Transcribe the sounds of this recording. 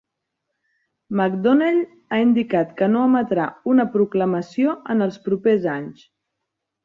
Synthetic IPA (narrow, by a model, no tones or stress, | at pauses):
məkd̪oneʎ | aind̪ikat̪kənoəmət̪ɾaunəpɾukləməsioənəlˠspɾupezaɲs